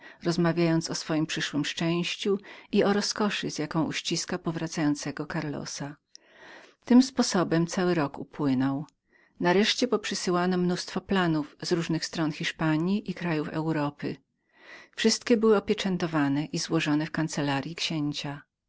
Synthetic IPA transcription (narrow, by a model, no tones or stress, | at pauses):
ɾɔzmavʲjajɔnt̪sɔsfɔjimpʂɘʂwɘmʂt͡ʂɛ̃w̃ɕt͡ɕuiɔɾɔskɔʂɘzʲjakɔ̃w̃ʔuɕt͡ɕiskapɔvɾat̪sajɔnt̪sɛɡɔkaɾlɔ̰sa | t̪ɘmspɔsɔbɛmt̪sawɘɾɔkṵpwɘnɔw | naɾɛʂt͡ɕɛpɔpʂɘsɘwanɔmnust̪fɔplanuvzɾuʐnɘxst̪ɾɔnxʲiʂpaɲjiʔikɾajufɛ̰wɾɔpɘ | fʂɘst̪kʲɛbɘwɘɔpʲjɛt͡ʂɛnt̪ɔvanɛʔizwɔʐɔnɛfkant̪sɛlaɾʲjikɕɛɲt͡ɕa